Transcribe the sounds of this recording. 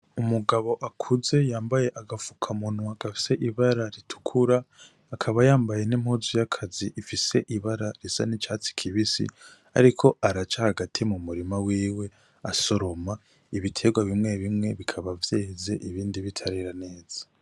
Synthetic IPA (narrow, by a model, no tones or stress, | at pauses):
umuɡaβo̞ʔakʰuze̞jaːmbaje̞ʔaɡavukʰamunwaɡ̥afi̥se̞ʔiβaɾaɾitʰu̥kʰuɾaː | kʰaβajaːmbaje̞nimhozujakʰaziʔːfise̞ʔiβaɾaɾisa̰nit͡ʃaːt͡si̥kʰiβisḭ | a̰ɾikʰo̞aɾat͡ʃahaɡatʰimumuɾimawiːwe̞ | aso̞ɾo̞ma | iβitʰe̞ɡwaβimŋe̞βimŋe̞βikʰaβavje̞ːze̞ʔiβiːndiβitʰaɾiɾane̞ːz̥ḁ